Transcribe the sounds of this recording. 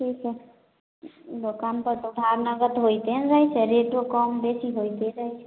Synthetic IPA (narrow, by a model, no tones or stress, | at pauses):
ʈʰikʰɛ | lokampəɾt̪oɖʱaɾnəɡət̪ɦojt̪enɾəɦjt͡ʃʰɛɾeʈokɔmbesiɦojt̪eɾəɦɛt͡ʃʰɛ̥